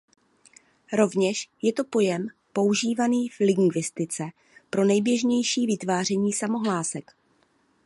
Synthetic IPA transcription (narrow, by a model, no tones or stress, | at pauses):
ɾo̞vɲɛʃjɛt̪o̞po̞jɛmpo̞uʒiːvaniːflɪɡŋɡvɪst̪ɪt͡sɛ | pɾo̞nɛjbjɛʒɲɛjʃiːvɪt̪vaːr̝ɛɲiːsamo̞ɦlaːsɛk